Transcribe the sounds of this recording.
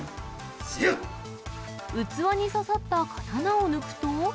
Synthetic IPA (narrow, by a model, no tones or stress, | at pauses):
sijɯ | ɯt͡sɨβaɲ̟isasat̪ːakʰḁt̪anaonɯkɯ̟̥t̪o